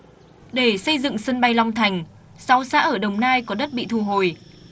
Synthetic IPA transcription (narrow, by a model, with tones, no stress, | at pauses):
ɗe˧˩sə˧jzɨ̰˧˨ŋsə˧nɓa˧jlɔ˧wŋ͡mt̪ʰa˨˩jŋ̟ | sa˨˦wsa̰ː˧˥ʔəː˧˩ɗə˨˩wŋ͡mnaː˧jkɔ˨˦ɗə˦˥t̚ɓḭ˧˨t̪ʰu˧˩ɦo˨˩j